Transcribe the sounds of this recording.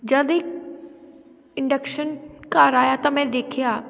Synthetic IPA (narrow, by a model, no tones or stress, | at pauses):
d͡ʒəd̪ɪk | ɪɳɖəkʃənkaːɾaːjat̪amɛ̃d̪eːkʰjaː